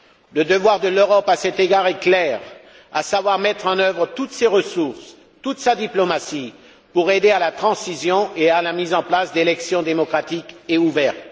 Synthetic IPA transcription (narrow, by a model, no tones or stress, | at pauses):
ləd̪əvwaʁd̪əløʁɔpasɛt̪eɡaʁɛklɛʁ | a̰savwaʁmɛt̪χɑ̃nœvʁət̪ut̪seʁəsuʁs | t̪ut̪sad̪iplɔmasi | puʁed̪ealat̪χɑ̃sizjɔ̃ʔealamizɑ̃plasd̪elɛksjɔ̃d̪emɔkχat̪ikeuvɛʁt̪